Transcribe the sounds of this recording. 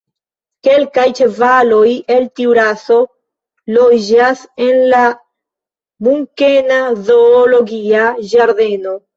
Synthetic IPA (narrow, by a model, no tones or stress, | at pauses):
ke̞lkajt͡ʃevalo̞je̞ltiwɾaso̞ | lo̞d͡ʒase̞nla | muŋke̞nazo̞ːlo̞ɡiad͡ʒaɾde̞no̞